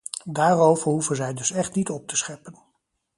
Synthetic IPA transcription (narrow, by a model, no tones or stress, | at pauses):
daːrowvəɹɦufənzɛjdɵsɛχtnitɔp̚təsχɛpən